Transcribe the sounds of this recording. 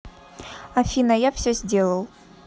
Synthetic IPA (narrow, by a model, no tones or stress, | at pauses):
ɐfʲinəjafsʲɵzʲdʲe̞lˠəlˠ